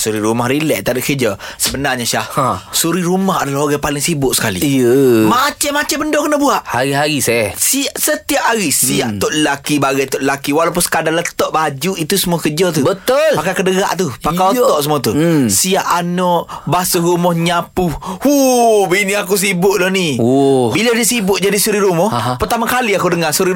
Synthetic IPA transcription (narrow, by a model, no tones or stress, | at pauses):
suɾiɾumahɾilɛʔt̪adoʔkəd͡ʒə | səbənarɲaʃahsuɾiɾumahadalaɦoɡapalɪŋsibʊʔsə̥kalḭjəmat͡ʃamːat͡ʃambəndɔkənəbuaʔhaɾiɦaɾisɛsiaʔsət̪iap̚haɣisiaʔt̪ɔʔləlakibaɡajt̪ɔʔləlakiwalap̬ʊnsə̥kadanlət̪ɔʔbad͡ʒuit̪usəmuakəd͡ʒɔt̪̬ubət̪ʊlpakakədəɣa̰ʔt̪upakalt̪ɔʔsəmuat̪usiaʔanɔʔbasəɾumɔhɲapuhubiniakus̬ibʊʔlɔhniɔbiladisibʊʔd͡ʒadisuɾiɾumɔhpərt̪amakaliakudəŋasuɾi